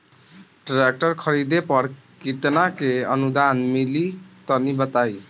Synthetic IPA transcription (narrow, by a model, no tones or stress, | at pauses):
ʈɾek̚ʈəɾkʰəɾid̪epʌɾ | kit̪nakeə̰nud̪anmilit̪ʌnibət̪aj